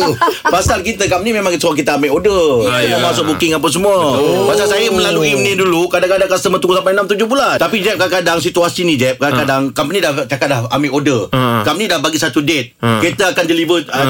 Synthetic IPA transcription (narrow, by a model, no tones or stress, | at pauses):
pasalkit̪əkap̚nĩmẽmaŋkit̪əsuaŋk̬it̪əameʔodəəlamasʊʔ̚bukɪŋapas̬əmuəpasalsajəmə̃laluimnĩdulukadaŋkadaŋkast̪əmat̪uŋɡusampajnamt̪ud͡ʒʊbulant̪apid͡ʒɛp̚kakadaŋs̬it̪uasinid͡ʒɛp̚kakadaŋkampənĩdaht͡ʃakat̪̚lahameɪʔodəkap̚nĩdahbaɡisat̪udet̪̚ket̪əakandəlivə